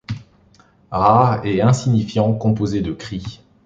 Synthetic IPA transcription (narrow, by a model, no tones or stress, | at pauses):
ʁaʁɛɛ̃siɲifjɑ̃kɔ̃pozed̪əkχi